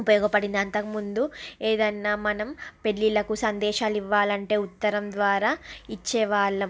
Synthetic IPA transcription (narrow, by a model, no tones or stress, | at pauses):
upɐjɔːɡɐpɐɽind̪iɐnt̪ɐkumund̪ueːd̪ɐnːaːmɐnɐmpe̞ɭːilɐkusɐnd̪ɛːʃaːliʋːaːlɐɳʈe̞ːut̪ːɐɾɐmd̪ʋaːɾaːit͡ʃːɛːʋaːɭːɐm